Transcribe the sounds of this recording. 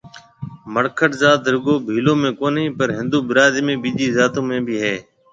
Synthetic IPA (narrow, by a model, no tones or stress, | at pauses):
məɽkʰəʈzaːt̪ɾɪɠoːbʱiːlõːmẽːkoːnĩːpəɾɦɪ̃nd̪uːbɪɾaːd̪mẽːbiːʄiːzaːt̪õːmẽːbʱiːɦɛː